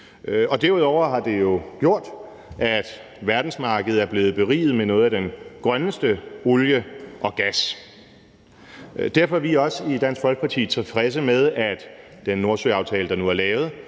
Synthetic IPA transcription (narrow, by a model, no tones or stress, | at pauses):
ʔɒ̽d̥æɐuð̞ˠɒʊ̰ɐɦɑ̈d̥e̝jo̝ɡ̥jo̝ɐ̰d̥ | æd̥ | ʋæɐd̥n̩smɑ̈ːɡ̥əð̞̩ˠæɐb̥le̝ːð̞̩ˠb̥e̝ʁḭːð̞̩ˠmenɔ̽ːð̩ˠæd̥enɡ̥ʁɶnəsd̥əoljəʔɒ̽ɡ̥æs | d̥æɐ̰fɒʋiɒ̽sid̥æn̰sɡ̥fɒ̽lɡ̥̚pʰɑ̈t͡sʰḭːt͡sʰe̝lfʁɛs̬əmeð̞ˠæd̥d̥enːo̝ɐsøɑ̈ʊt͡sʰɛːləd̥ɑ̈nuæɐlɛːʊð̞̩ˠ